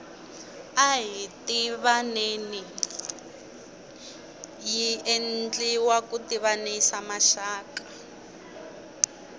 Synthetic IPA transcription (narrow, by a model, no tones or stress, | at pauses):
aɦitiβaneni | jiend͡ɮiwakutiβaneisamaʃaːkḁ